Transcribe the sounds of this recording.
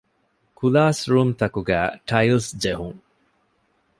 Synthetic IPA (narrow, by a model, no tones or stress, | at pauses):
kulaːsɾuːmt̪ɐkuɡæ̰ːʈʰɐjlsd͡ʒeɦuŋ